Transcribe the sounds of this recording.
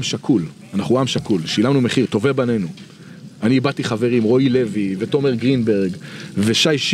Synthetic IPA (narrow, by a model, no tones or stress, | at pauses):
mʃakʰul | anaχuamʃakulʃilamnume̞χiʁt̪o̞vebane̞nu | aniːbat̪iχave̞ʁimʁo̞ile̞vive̞t̪o̞meʁɡʁinbe̞ʁɡveʃajʃ